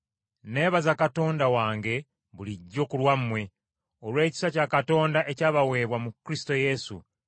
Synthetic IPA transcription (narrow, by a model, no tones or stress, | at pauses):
ne̞ːβazakato̞ːndawaːŋɡe̞ | βuliɟːo̞ːkulwamːwe̞ | o̞lwe̞ːci̥sacakato̞ːndaʔe̞caːβawe̞ːβwamukɾisto̞je̞sṵ